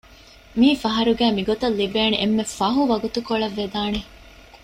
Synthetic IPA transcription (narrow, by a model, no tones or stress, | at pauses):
miːfɐɦɐɾuɡæːmiɡot̪ɐlːibeːneʔemːefɐɦuʋɐɡut̪ukoɭɐʋːed̪aːne